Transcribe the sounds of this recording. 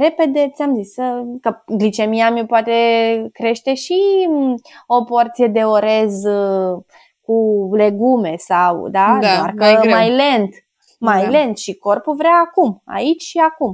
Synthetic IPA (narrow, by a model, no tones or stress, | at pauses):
ɾe̞pe̞d̪e̞t̪sʲamzisəkəɡlit͡ʃe̞miamopoat̪e̞kɾe̞ʃt̪e̞ʃi | o̞po̞rt̪sije̞d̪e̞o̞ɾe̞z | kule̞ɡume̞sawd̪ad̪d̪arkəmajlent̪ | majle̞nt̪ʃiko̞rpuvɾeaːkuma̰it͡ʃʲʃiakum